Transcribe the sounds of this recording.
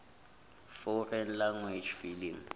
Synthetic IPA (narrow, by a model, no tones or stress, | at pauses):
fɔrɛn̩laŋwed͡ʒfiliŋ